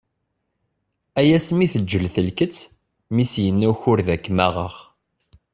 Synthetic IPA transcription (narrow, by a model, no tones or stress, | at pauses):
æjæsmiθəd͡ʒːəlθəlkət͡sː | misjənːuçʊɾðækːmæʁə̰ʁ